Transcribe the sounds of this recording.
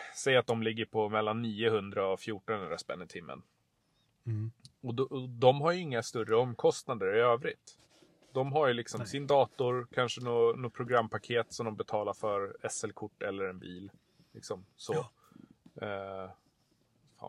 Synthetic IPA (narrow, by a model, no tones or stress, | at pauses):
sɛjːat̪̚d̪ɔmlɪɡːəɾpʰɔmɛlːanːiːʊhɵnd̪ɾaɔfjuːʈɔnhɵnd̪ɾaspɛ̰nːɪt̪ʰɪmːə̰n | ɔd̪d̪ɔmɦaɾjɵɪŋːast̪ɵrːəɔmːkʰɔst̪nad̪əɾɪøːvɾɪ̰t̪ | d̪ɔmɦaɾjɵlɪksɔmsɪnd̪ɑːt̪ʊɾkʰanʂənonoːpʰɾʊɡɾamːpʰakʰeːt̪sɔmd̪ɔmbɛt̪ʰɑːlaɾfœɾɛsɛlkʰʊʈːɛlːəɾɛnbiːl | lɪksɔmsɔ | fa̰